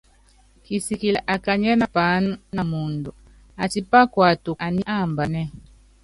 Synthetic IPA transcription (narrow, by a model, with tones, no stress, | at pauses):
ki˨si˨ki˨la˨ʔa˨ka˨ɲɛ˦na˨pa˨˦nu˦na˨mu˨ndu˨ | a˨ti˨pa˦kwa˨tu˨ʔa˨ni˦ʔa˦˨mba˨nɛ˦